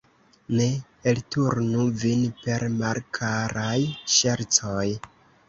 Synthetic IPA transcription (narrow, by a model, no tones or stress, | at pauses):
ne̞ | eltuɾnuvinpe̞ɾmalkʰaɾajʃe̞ɾt͡soj